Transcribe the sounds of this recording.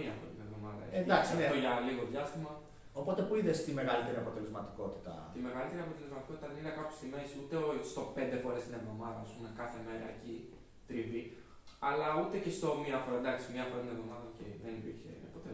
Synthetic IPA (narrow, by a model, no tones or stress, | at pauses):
iɐfoɾɐt̪inevðo̞mɐðɐ̰end̪ɐksineoʝɐliɣo̞ðʝɐst̪imɐ | o̞po̞t̪e̞puiðe̞st̪ime̞ɣɐlit̪e̞ɾiɐpo̞t̪e̞le̞zmɐt̪i̥ko̞t̪i̥t̪ɐ̰t̪ime̞ɣɐlit̪e̞ɾiɐpo̞t̪e̞lzmɐt̪ikoit̪ɐðeninekɐpo̥st̪imesut̪est̪o̞pe̞nd̪e̞fo̞ɾe̞st̪inevðo̞mɐðɐɐspumekɐθe̞me̞ɾɐ̰eci | t̪ɾivi | ɐlɐut̪e̞cest̪o̞miɐfoɾɐnd̪ɐksimɲɐfoɾɐt̪inevðo̞mɐðoceðenipiɾçe̞̰pot̪e